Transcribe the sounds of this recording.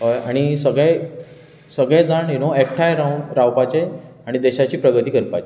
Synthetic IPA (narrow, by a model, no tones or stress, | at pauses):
aɽ̃isəɡɭe | səɡɭẽd͡zaɳinoek̚ʈʰajɾaɾawpat͡ɕeaɽ̃id̪ɛɕat͡ɕiːpɾəɡət̪iːɡʱəɾpat͡ɕe